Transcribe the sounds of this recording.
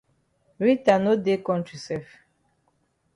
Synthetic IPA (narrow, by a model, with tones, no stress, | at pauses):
ɾi˦ta˨no˦de˦kɔ̃˦nti˨sɛ˦˨f